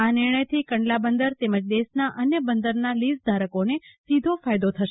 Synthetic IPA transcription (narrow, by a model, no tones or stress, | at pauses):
anɪɾɳ̃əjt̪ʰikəɳɖlabənd̪əɾt̪eməd͡ʒd̪esnaʔənjəbənd̪əɾnalisd̪ʱaɾəkonesid̪ʱofajd̪ot̪ʰəʃ